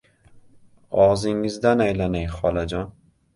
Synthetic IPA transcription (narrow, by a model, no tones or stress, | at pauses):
ɒʁzɪŋɪzd̪anajlanajχɒlˠad͡ʒɒn